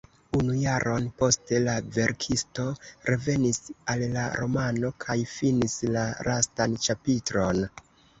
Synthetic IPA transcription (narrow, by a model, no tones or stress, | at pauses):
unujaɾʔo̞npo̞ste̞lave̞ɾkʰisto̞ɾe̞ve̞nisalːaɾo̞mano̞kʰajfinislaɾastant͡ʃapitɾo̞n